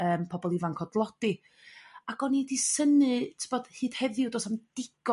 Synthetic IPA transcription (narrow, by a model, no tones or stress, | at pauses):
əːmpʰɔbɔlˠivaŋkʰɔdlˠɔd̥i | aɡ̥ɔnidisənɨtʰbɔd̥hɨːd̥hɛðɪʊwdɔːsamd̥ɪɡ̥ɔ